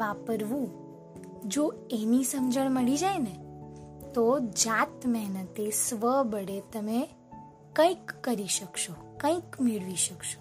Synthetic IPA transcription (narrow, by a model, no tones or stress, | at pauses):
ʋapəɾʋũ | d͡ʒo | enisəmd͡ʒəɳ̃məɭid͡ʒajne | t̪od͡ʒat̪məɦnət̪esʋəbəɽet̪əme | kə̃ĩkːəɾiʃəkʃokə̃ĩkmiɭʋiʃəkʃo̥